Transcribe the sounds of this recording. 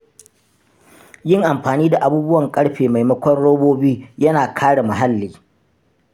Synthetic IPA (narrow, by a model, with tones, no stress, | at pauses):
jɪ˦˨ŋʔa˨mɸaː˨niː˦da˨ʔa˨buː˦bʊ˦wɐ˨ŋkʼɐ˦ɽɸeː˨ma˨jmɐ˦kʷɔ˦nɽoː˦boː˦biː˦jɐ˦naː˨kʰaː˦ɽa˨mɐ˨ɦa˦lːiː˨